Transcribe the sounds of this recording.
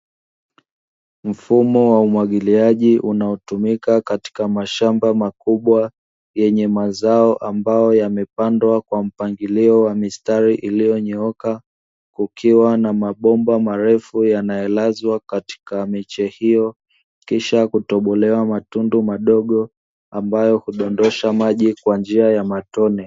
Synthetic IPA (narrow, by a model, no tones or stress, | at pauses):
m̩fumɔwaumwaɠiliaʄiʔunaɔtumikakati̥kamaʃambamakuɓwa | jɛɲɛmazaɔʔambajɔjamɛpandwakwam̩paŋɡiliɔwamistaɾiʔilijɔɲɛɔka | kukʰiwanamaɓɔmbamaɾɛfujanajɔlazwakati̥kamɛt͡ʃɛhijɔ | kiʃakutɔɓɔlɛwamatundumaɗɔɠɔ | ambajɔhuɗɔndɔʃamaʄikwand͡ʒiajamatɔnɛ